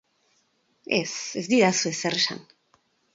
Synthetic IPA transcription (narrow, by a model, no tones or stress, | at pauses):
e̞se̞zd̪iɾasue̞seresa̰n